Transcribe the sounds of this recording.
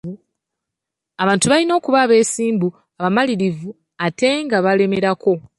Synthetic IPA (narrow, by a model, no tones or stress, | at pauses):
aβaːntuβalino̞ːkuβaːβe̞ːsiːmbu | aβamaliɾivu | ate̞ŋɡaβale̞me̞ɾako̞